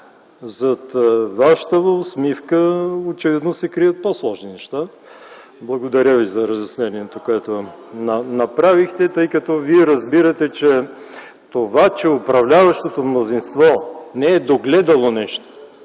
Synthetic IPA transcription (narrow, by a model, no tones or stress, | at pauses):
zɐt̪vaʃə̥t̪əvosmifkəot͡ʃɛvid̪nosɛkɾijət̪̚poslˠɔʒninɛʃt̪a | blˠɐɡod̪ɐɾʲəvizɐɾɐzɐsnɛniɛt̪okoɛt̪onɐnɐpɾavixt̪ɛt̪əjkɐt̪ɔviɛɾɐzbiɾɐt̪ɛt͡ʃɛ | t̪ovat͡ʃɛʊpɾɐvlʲavɐʃt̪ot̪omnozinst̪vɔnɛɛd̪oɡlɛd̪ɐlˠonɛʃt̪o̥